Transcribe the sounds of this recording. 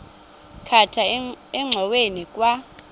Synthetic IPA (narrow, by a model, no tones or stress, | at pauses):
kʰatʰaɛŋ͡ǀʱɔwenikʼwa